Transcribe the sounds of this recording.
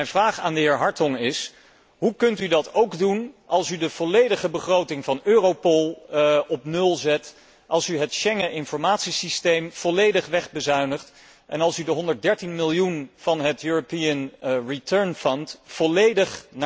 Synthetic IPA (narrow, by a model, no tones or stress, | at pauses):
mɛjnvraːχa̰ːndəɦɪːɹɦɑɹtɔŋɪs | ɦukɵntydɑtowɡdunʔɑlˠsydəv̥ɔlejdəχəbəχrowtɪŋvɑnøːrowpɔlˠɔpnɵlˠzɛt | ʔɑlˠsyɦətʃɛŋənʔɪnfɔɹmaːtsisistejmv̥ɔlejdəχʋɛχbəzœɥnəχt | ʔɛnɑlˠsydəɦɔndəɹt̚dɛɹtinmɪlˠjunv̥ɑnɦətjuːɹopiənɹitəɹnfɔntfɔlejdəχna